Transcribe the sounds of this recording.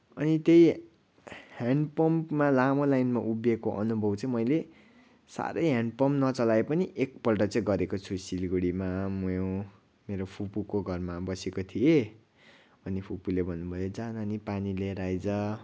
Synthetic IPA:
ʌnit̪jej | haɳɖpʌmpmalamolajnmaʔubjekoʔʌ̰nubʱʌbt͡sʌ̃ĩmʌjle | sa̰ɾʌjɦãɳɖ̚pʌmnʌt͡sʌlaepʌniʔek̚pʌlʈʌt͡sʌĩɡʌɾekot͡sʰusilɡuɽimamojõ | meɾopʰupukoɡʱʌrmabʌsekot̪ʰie | ʌnipʰupulebʱʌnːubʱʌjod͡zananipanileɾajd͡zʌ

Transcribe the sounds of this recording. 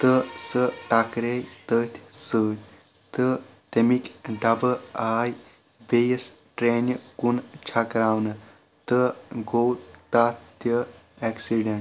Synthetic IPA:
t̪əsəʈakɾejt̪ət̪ʲʰsəːt̪ʲ | t̪ə | t̪emikʲɖɐbəaːj | bejəsʈɾeːnjkunt͡ʃʰakɾaːwnɨ | t̪əɡowt̪at̪jə | ɛksiɖeɳʈ

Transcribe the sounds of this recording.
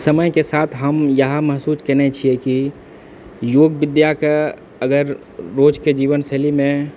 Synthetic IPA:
səməjkesaːt̪ʰɦəmjəɦãməɦsuːskənet͡ʃʰieki | joːɡbɪd̪jake | əɡəɾ | ɾoːd͡ʒked͡ʒiːʋənseːlimẽ

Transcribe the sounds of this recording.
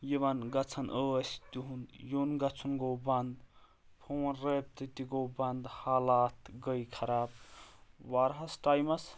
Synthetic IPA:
jiʋɐnɡɐt͡sʰɐnʔəːsʲt̪uɦunjonɡɐt͡sʰunɡobɐnd̪ | pʰoːnɾep̚t̪ɨt̪iɡobɐnd̪haːlaːt̪ɡəjkʰɐɾaːb̚ | waɾɦɐsʈajmɐs

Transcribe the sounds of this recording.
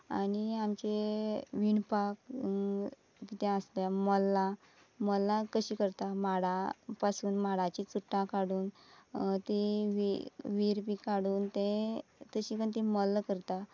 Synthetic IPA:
a̰niamt͡ɕeʋiɳpak̚ | t̪it̪ɛ̃əslamɔlːã | mɔlːãkəɕikəɾt̪amaɽapasuːnmaɽat͡ɕit͡suʈːãkaɽuːn | t̪iʋiʋiɾpikaɽuːnt̪ẽt̪əɕikəɳt̪̬iməlːəkəɾt̪a

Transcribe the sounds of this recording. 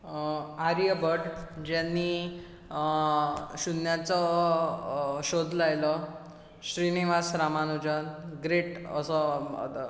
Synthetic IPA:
aɾijəbəɖd͡ʑanːi | ɕunːjat͡sɔ | ɕod̪ʱlajlɔ | ɕɾiniʋasɾamanud͡ʑənɡɾeʈə̰sɔ

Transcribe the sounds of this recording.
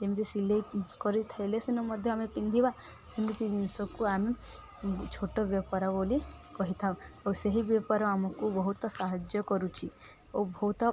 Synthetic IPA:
t̪emit̪isilejkɔɾit̪ʰajlesenɔmɔd̪ʱjɔamepind̪ʱibasemit̪id͡ʒinsɔkuami | t͡ʃʰoʈɔbjɔpɔɾabolikɔɦit̪ʰaw̃owseɦibjɔpaɾɔamɔkubɔɦut̪ɔsaɦad͡ʒjɔkɔɾut͡ʃʰi | owbɔɦut̪ɔ

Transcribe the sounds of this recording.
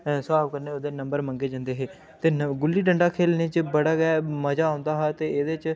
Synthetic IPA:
saːbkəɾneːoːd̪eːnəmbəɾmə̃ŋɡeːd͡ʒãːnd̪eːɦeː | t̪eːɡʊlːiːɖəɳɖaːkʰeːlneːt͡ʃbəɽaːɡɛːməd͡ʒaːõːnd̪aːɦaːt̪eːeːd̪eːt͡ʃ

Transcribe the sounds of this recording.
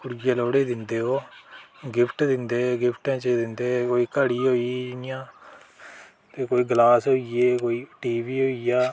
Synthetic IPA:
kʊɽɪɡaːloːɽeːd̪ɪnd̪eːɦoː | ɡɪpʰʈd̪ɪnd̪eːɡɪpʰʈẽːt͡ʃəd̪ɪnd̪eːkoːiːkəɽiːɦoːiːd͡ʒɪnɪjãː | t̪eːkoːiːɡlaːsɦoːieːkoːiːʈiːʋiːɦoːijaː

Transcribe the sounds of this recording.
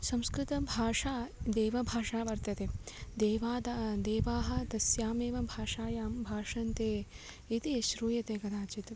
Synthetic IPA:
sɐmskɾɪt̪ɐbʱaːʂaːd̪eːʋɐbʱaːʂaːʋɐɾt̪ɐt̪ed̪eːʋaːd̪ad̪eːʋaːɦɐ̆d̪ɐsjaːmeːʋɐbʱaːʂaːjaːmbʱaːʂɐnt̪eː | it̪iʃɾuːjɐt̪eːɡɐnaːt͡ʃit̪

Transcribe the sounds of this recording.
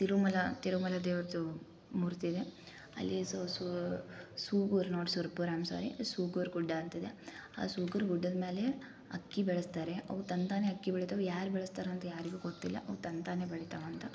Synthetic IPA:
t̪iɾumɐlɐt̪iɾumɐlɐd̪eːʋɐɾd̪u | muɾt̪id̪e̞ | ɐ̰lːis | suːɡuɾnoːʈsuɾpːuɾaːmsa̰ːɾisuːɡuɾɡuɖːaːnt̪id̪ea̰ːsuːɡuɾɡuɖːɐd̪ɐmeːle | ɐ̰kːibɛɭɐst̪aːɾeʔɐ̰ʋut̪ɐnt̪aːneɐkːibɛɭit̪ɐʋujaːɾibɛɭɐst̪aːɾeɐnt̪ɐjaːɾiɡuːɡot̪ːilːɐ̰ʔɐʋut̪ɐnt̪aːnebeɭit̪aʋɐnt̪ɐ

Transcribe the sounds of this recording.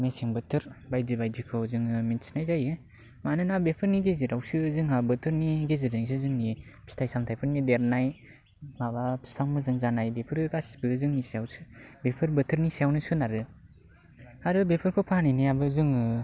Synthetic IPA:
mesiŋbɯtʰɯɾbajdibajdikʰɯwzɯŋɯminsʰi̥najzajɯ | manɯnabepʰɯɾniɡeziɾawsɯzɯŋɦabɯtʰɯɾniɡeziɾiŋs̬ɯzɯŋnipʰi̥stʰajsamtʰajpʰɯɾnideɾnaj | maβapʰi̥spʰaŋmɯzɯŋzanajbepʰɯɾɯɡasi̥bɯzɯŋnisijawsɯ̥bepʰɯɾbɯtʰɯɾnisijawnɯsɯnaɾɯ | aɾɯbepʰɯɾkʰɯwpʰaniniabɯzɯŋɯ

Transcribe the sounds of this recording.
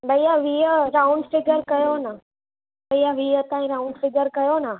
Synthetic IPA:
ɓɐijaʋiəɾaʊ̃ɳɖfɪɡəɾkɐjona | ɓɐiaʋiːət̪ãːĩɾaːʊ̃ɳɖfɪɡəɾkɐjona

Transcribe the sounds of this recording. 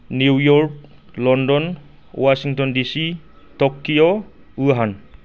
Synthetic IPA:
niujɔɾk̚ | lɔndɔn | wasiŋtɔndisi | tɔkːio | uɦan

